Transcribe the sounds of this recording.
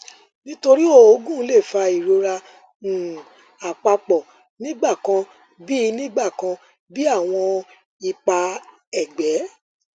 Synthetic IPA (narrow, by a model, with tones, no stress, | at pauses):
nĩ˦to˧ɾi˦o˦˨o˨˦ɡũ˦˨˦le˦˨fa˧i˨ɾo˧ɾa˧ | ũ˨ | a˨k͡pa˧k͡pɔ˨ | nĩ˦ɡ͡ba˦˨kã˧ | bi˦˧˦nĩ˦ɡ͡ba˦˨kã˧ | bi˦a˦˨w̃ɔ̃˧ | i˧k͡pa˧ | ɛ˨ɡ͡bɛ˨˦